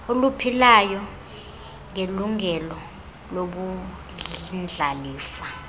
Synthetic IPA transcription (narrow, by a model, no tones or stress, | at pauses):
olupʰilajɔ | ŋeluŋɛlɔ | loɓu | nd͡ɮʱaliːfa